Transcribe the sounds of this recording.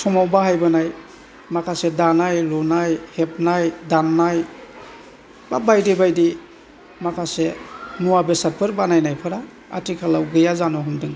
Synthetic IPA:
sɔmawbaɦajbɯnaj | makʰasedanajlɔnajhep̚najdanːaj | ba̰bajdebajdi | makʰasenuwabesat̚pʰɯɾbanajnajpʰɯɾa | a̰tʰikʰalawɡɯjazanɔɦɔmdɯŋ

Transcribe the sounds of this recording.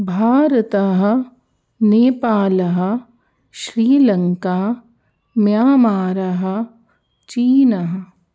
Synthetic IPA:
bʱaːɾɐt̪aɦɐ̆ | neːpaːlɐɦɐ̆ | ʃɾiːlɐŋkaː | mjaːmaːɾɐɦɐ̆ | t͡ʃiːnɐɦɐ

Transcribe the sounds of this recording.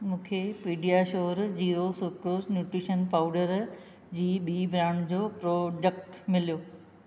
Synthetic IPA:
mũːkʰepiːɖijaʃoːɾd͡ʑiːɾosʊkɾoːsnjuːʈɾiːʃənpaːʊɖəɾ | d͡ʑiːɓiːbɾaːɳ̃d͡ʑoːpɾoːɖək̚ʈmɪlijoː

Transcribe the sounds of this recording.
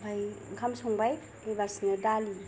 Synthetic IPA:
bʱajɡʰʱamsuŋbaj | ibasnɯdali

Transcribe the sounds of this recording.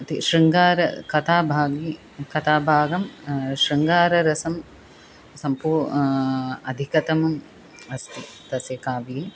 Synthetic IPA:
t̪iʃɾiŋɡaːɾɐ̰kɐt̪ʰaːbʱaːɡi | kɐt̪ʰaːbʱaːɡɐmʃɾiŋɡaːɾɐɾɐsɐm | sɐmpuː | ɐd̪ʱikɐt̪ɐmɐm | ɐst̪i | t̪ɐsekaːʋie

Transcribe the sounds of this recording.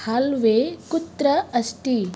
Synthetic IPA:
halʋeːkut̪ɾɐɐsʈi

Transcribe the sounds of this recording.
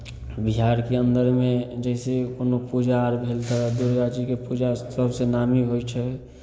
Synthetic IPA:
biɦaːɾkeə̃nd̪əɾmẽd͡ʒɛsekonopud͡ʒaɾbʱelt̪ad̪uɾd͡ʒad͡ʒikepud͡ʒasəbʱsenamiɦojt͡ʃʰɛ

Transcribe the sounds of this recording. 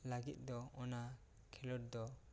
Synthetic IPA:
laɡit̪̚ˀd̪ɔɔna | kʰɛlɔʈ̚d̪ɔ

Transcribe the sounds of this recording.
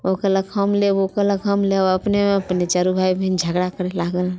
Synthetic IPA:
okələkhəmleʋokələkɦəmleəpnemẽɐpnet͡ʃaːɾubʱaːibʱind͡ʒʱəɡɽakəɾelaːɡəl

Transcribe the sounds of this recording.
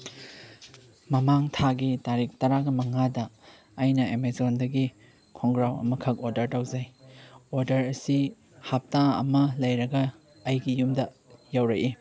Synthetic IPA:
mɐmaŋtʰaɡitaɾik̚ʰtɐɾaɡɐmɐŋadɐ | ɐjnɐemezondɐɡi | kʰoŋɡɾawɐ̰mɐkʰɐk̚oɾdɐɾtɐwzɐjoɾdɐɾɐsi | hap̚taɐ̰mɐlɐjɾɐɡɐː | jɡijumdɐ | jawɾɐʔi

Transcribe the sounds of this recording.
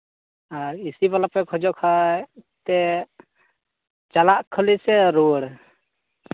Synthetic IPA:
aɾisibalapɛkʰɔd͡ʒɔʔkʰat̪ɛ | t͡ʃalaʔkʰəlisɛɾoɽ

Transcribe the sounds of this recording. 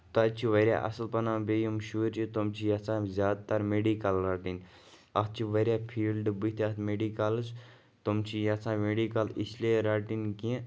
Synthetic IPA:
t̪ɐt͡ʃʰiʋɐɾʲja̰ʔɐ̰səlpɐnãːbejumʃuːɾt͡ʃʰit̪omt͡ʃʰijɐsãːzʲjaːd̪̚t̪aɾmeːɖikalɾaːʈin | ɐs̚t͡ʃʰiʋɐɾʲjaːpʰiːlɖbit̪ʰat̪meːɖikals | t̪omt͡ʃʰijɐsãːmeːɖikɐlisleɾaːʈinkĩ

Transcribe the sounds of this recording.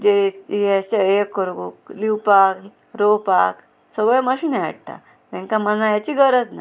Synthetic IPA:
d͡ʑeiaɕejekːəɾɡukliwpak | ɾopak | səɡɭeməɕinea̰ɽt̪a̰ | t̪ɛ̃ŋkamənajat͡ɕiɡəɾət̪na

